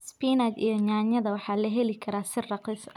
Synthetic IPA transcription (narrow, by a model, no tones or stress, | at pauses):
spiːnad̪ḭjɔɲaːɲɐðɐwɑħɑːlɐɦɛlɪkʰɐɾaːsɪrɑqis